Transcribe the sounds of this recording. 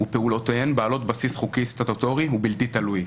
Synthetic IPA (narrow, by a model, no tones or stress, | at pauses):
upeulo̞t̪ojenbaːlo̞t̪basisχukist̪at̪ot̪oʁiɦubilt̪it̪aluj